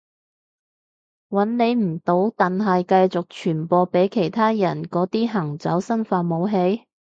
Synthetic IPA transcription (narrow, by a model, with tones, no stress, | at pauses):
wɐ˨˥nne˨˧jm̩˨˩t̪o˨˥wt̪ɐ˨nɦɐ˨jkɐ˧jt͡sʊ˨k̚t͡ʃʰyː˨˩npɔː˧pe˨˥jkʰe˨˩jt̪ʰaː˥jɐ˨˩nkɔː˨˥t̪iː˥ɦɐ˨˩ŋt͡sɐ˨˥wsɐ˥nfaː˧mo˨˧wɦe˨˧˥j